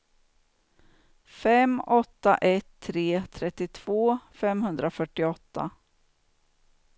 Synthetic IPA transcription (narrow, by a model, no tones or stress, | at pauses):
fɛmɔt̪ːa̰ʔɛt̪ʰːɾeːt̪ʰɾɛt̪ːɪt̪ʰv̥oːfɛmhɵnd̪ɾafœʈːɪɔt̪ːa̰